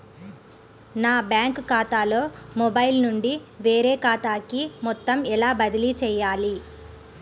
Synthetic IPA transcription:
naːbjaːŋkkaːt̪aːlo̞ːmɔbɐjlnuɳɖiʋeːɾeːkaːt̪aːkimɔt̪ːɐmɛlaːbɐd̪ilit͡ʃɛːjaːli

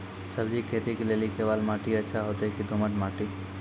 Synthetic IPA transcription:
səbd͡ʒikʰeːt̪ikelelikeːʋaːlmaːʈiətːʃʰaɦoːt̪ekid̪oməʈmaːʈi

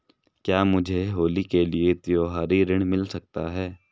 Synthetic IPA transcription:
kjaːmʊd͡ʒʱeɦoːlikeliet̪joːɦaːɾiɾɪɽ̃mɪlsɐk̚t̪aɦɛː

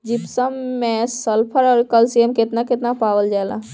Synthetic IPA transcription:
d͡ʒipsəmːẽsəlpʰəɾɔɾkəlsiemket̪naket̪napaːʋəld͡ʒaːlã̰

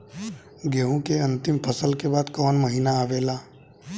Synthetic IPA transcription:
ɡeɦõkeɐ̃nt̪ɪmpʰəsəlkebaːd̪kɔːnməɦiːnaaːʋeːlaː

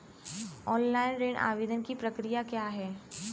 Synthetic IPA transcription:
ɔːnlaːɪnɾeːɽʔa̰ːʋeːd̪ənkipɾɐkɾijakjaːɦɛː

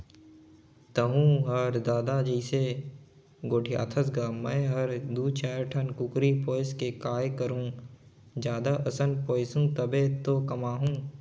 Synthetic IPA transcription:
t̪ɐɦũːɦɐɾd̪aːd̪ad͡ʒəɪse | ɡoːʈʰija̰ːt̪ʰəsɡaːmɛ̃ːɦəɾd̪uːt͡ʃaːɾʈʰənkʊkɾipoːɪskekaːjkəɾũː | d͡ʒjaːd̪aʔəsənpɔːɪsũːt̪əbet̪okɐmaːɦũː

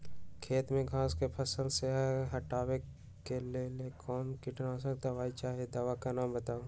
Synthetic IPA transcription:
kʰeːt̪mẽɡʱãːskepʰəsəlseɦɐʈaːwe | kelelekʰɔːnkɪʈnas̬ək̚t̪aʋaːit͡ʃaːɦed̪aʋakanaːmbət̪aːũ

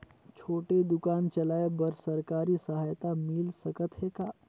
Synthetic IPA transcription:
t͡ʃʰoːʈed̪ʊkaːnt͡ʃɐlaːebɐɾsɐɾkaːɾisɐɦaːjt̪amɪlsɐkət̪ɦekaː

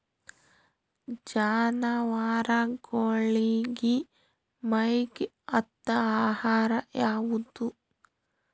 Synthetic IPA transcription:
d͡ʒaːnɐʋaːɾaɡoɭiɡi | mɐjɡ | ɐt̪ːɐaːhaːɾɐjaːʋud̪u

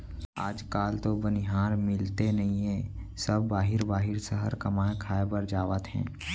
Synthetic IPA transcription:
a̰ːd͡ʒkaːlt̪obənɪɦaːɾmɪlt̪enɐɦĩɦɛ̃ːsɐbːaːɦɪɾbaːɦɪɾsəɦəɾkɐmaːekʰaːebəɾd͡ʒaːʋət̪ɦɛ̰̃ː

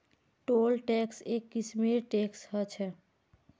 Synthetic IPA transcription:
ʈolʈɛksekːismiɾʈeksɦət͡ʃʰɛ

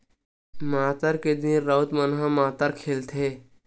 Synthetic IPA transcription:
maːt̪əɾked̪ĩnɾət̪mənɦãmaːt̪əɾkʰeːlt̪ʰeː

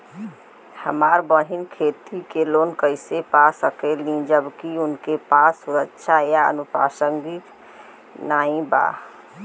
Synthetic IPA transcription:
həmaɾbəɦinkʰet̪ikeloːnkəɪsepasəkelĩd͡ʒəbkiʊnkepasːuɾəkʃʰajaə̰nupa̰səŋɡit̪ | naːĩba̰

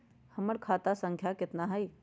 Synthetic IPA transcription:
həməɾkʰaːt̪asə̃ŋkʰjakɪt̪naɦəj

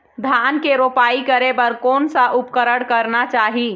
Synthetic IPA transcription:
d̪ʱankeɾopaikəɾebəɾkoːnsəʔupkəɾəɽkəɾnat͡ʃaːɦi

